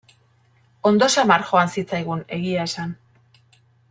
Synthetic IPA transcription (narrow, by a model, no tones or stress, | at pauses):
o̞nd̪o̞samaɾxo̞ansit͡sajɣ̞une̞ɣiae̞san